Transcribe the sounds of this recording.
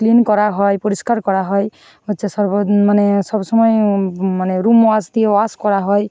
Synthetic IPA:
klinkɔɾaɦɔjpɔɾiskaɾkɔɾaɦɔj | ot͡ʃasʌɾbmanesʌbsʌmʌjmaneɾumasd̪iewaskɔɾaɦɔj

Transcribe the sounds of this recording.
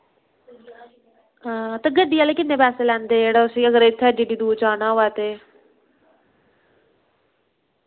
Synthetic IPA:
t̪eɡəɖijaːleːkɪnːeːpɛːseːlɛ̃ːnd̪eːeːɽaʊsiəɡəɾɪt̪ʰːɛːd͡ʒiːɖiːd̪uːt͡ʃaːnaːɦoːaːt̪eː

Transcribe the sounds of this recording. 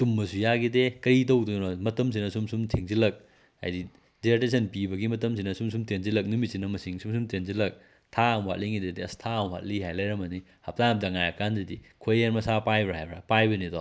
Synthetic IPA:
sumːɐsujaɡidekɐjit̬ɐwdonɔmɐtɐms̬inɐsumsumtʰiŋzilɐk̚ | a̰jdi | diates̬ɐnpibɐɡimɐtɐms̬inɐsums̬umtʰenzilɐk̚numit̚sinɐmɐsiŋsumsumtʰenzilɐk̚ | tʰamwa̰t̚liŋidedeɐstʰamwa̰t̚liɦajlɐjɾɐmɐni | hap̚taŋp̚dɐŋajɐkandɐdikʰojeɾmɐsapajbɾahajbɾapajbɐnidɔ

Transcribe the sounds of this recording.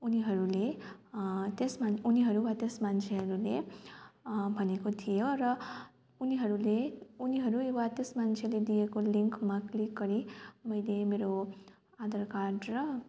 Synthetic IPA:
uniɦʌɾule | t̪esmanuniɦʌɾubat̪esmant͡sʰeɦʌɾule | bʱʌnekot̪ʰijoɾʌ | uniɦʌɾuleuniɦʌɾuebat̪esmant͡sʰeled̪ijekoliŋkmaklikɡʌɾimʌjlemeɾo | ad̪ʌɾkaɖrʌ

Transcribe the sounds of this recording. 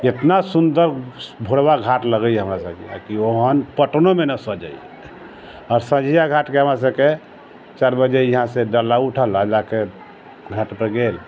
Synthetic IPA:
et̪nasund̪əɾbʱoɽbaɡʱaʈləɡəjɦəmɾasəbkea̰kioɦənpəʈnomenəsəd͡ʒə̰j | ɔːɾsə̃d͡ʒʱijaɡʱaʈkeɦəmɾas̬əbke | t͡ʃaɾbəd͡ʒejiɦãsẽɖəlauʈʰələd͡ʒake | ɡʱaʈpəɾɡel

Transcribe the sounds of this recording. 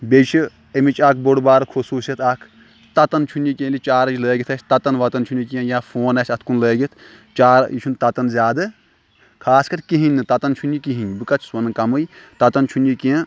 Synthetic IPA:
bʲet͡ʃʰi | emit͡ʃʰaːkʰboɽbaːɾɐkʰosuːsɐt̪ʰakʰ | t̪ɐt̪ɐnt͡ʃʰunikʲẽːnlʲit͡ʃaːɾɐd͡ʒiləːɡʲit̪ʰɐsʲt̪ɐt̪ɐnʋɐt̪ɐnt͡ʃʰunʲikiɐ̃jãːfʰoːnɐsʲɐt̪ʰkunləːɡit̪ʰt͡ʃaːɾit͡ʃʰunt̪ɐt̪ɐnzʲjaːd̪ɨ | kʰaːskɐɾʲkiɦinʲːɨt̪ɐt̪ɐnt͡ʃʰunʲikiɦinʲbɨkɐt͡ʃʰswɐnɨkɐmɨj | t̪ɐt̪ɐnt͡ʃʰunjikijɐ̃

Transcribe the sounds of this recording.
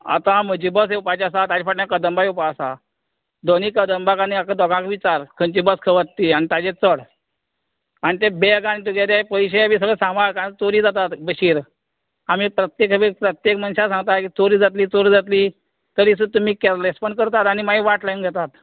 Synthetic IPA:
a̰t̪aməd͡ʑibəs̬eupat͡ɕasat̪ad͡ʑifaʈnakəd̪əmbaeupaəsa̰ | d̪oniːkəd̪əmbakaniakad̪ɔɡãkʋit͡ɕaɾkʰənt͡ɕibəskʰəʋət̪t̪ːiːanit̪ad͡ʑet͡səɽ | anit̪ebeɡañit̪uɡeɾapəjɕeabiːs̬əɡɭɛsãmbaɽkat͡soɾiːd͡zat̪at̪bəɕiːɾ | amiːpɾət̪jekəbipɾət̪jekmənɕasãŋɡ̚t̪akiːt͡soɾiːd͡zat̪liːt͡soɾiːd͡zat̪liː | t̪əɾisut̪ːumiːkɛɾlespəɳkəɾt̪at̪añimaiʋaʈlajnɡʱɛt̪at̪

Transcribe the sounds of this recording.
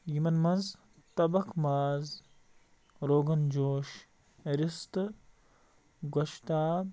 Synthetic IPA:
jimɐnmɐnz | t̪ɐbɐkmaːz | ɾoːɡɐnd͡ʒoːʃ | ɾist̪ɨ | ɡɐʃt̪aː

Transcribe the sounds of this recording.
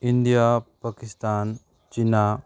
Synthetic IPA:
ind̪ijapakist̪aːn | t͡ʃina

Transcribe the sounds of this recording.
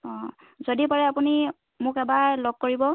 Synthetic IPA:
ɔ̃ | zodipaɹɛapuni | mʊkɛbaɹloɡ̚koɹibɔ

